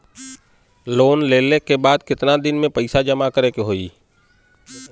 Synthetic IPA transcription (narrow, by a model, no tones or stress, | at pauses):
loːnleːlekebaːd̪kɪt̪nad̪ɪnmẽpəɪsad͡ʒəmakəɾekeɦoiː